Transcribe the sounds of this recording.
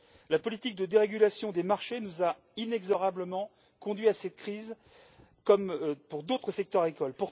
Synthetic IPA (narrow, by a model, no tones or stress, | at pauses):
lapɔlit̪ik̚d̪əd̪eʁeɡʲylasjɔ̃d̪emaʁʃenuza | inɛɡzɔʁabləmɑ̃ | kɔ̃d̪ɥiasɛt̪̚kχiz | kɔmpuʁd̪ot̪χəsɛk̚t̪œʁekɔlpuʁ